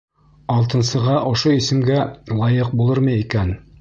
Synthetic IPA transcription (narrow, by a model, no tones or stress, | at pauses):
ɑlˠt̪ɤ̆nsɤ̆ʁɑʔŏʃoisɘ̆mɡælˠɑjɤq̚bulˠɤɾmɤjikæn